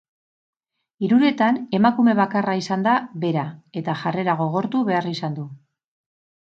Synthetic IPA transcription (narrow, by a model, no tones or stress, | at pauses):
iɾuɾe̞t̪ane̞makume̞β̞akaraisand̪aβe̞ɾae̞t̪aʝare̞ɾaɣ̞o̞ɣ̞o̞ɾt̪uβe̞arisand̪u